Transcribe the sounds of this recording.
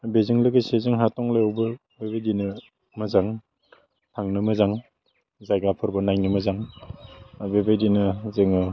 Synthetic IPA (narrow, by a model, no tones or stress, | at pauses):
beziŋlɯɡɯsezeŋɦatɔŋlajawbɯ | bebajdinɯ | mɐzaŋ | tʰaŋnɯmɯzaŋ | zajɡapʰɯɾbɐnajnɯmɐzaŋ | bebajdinɯzɯŋɯ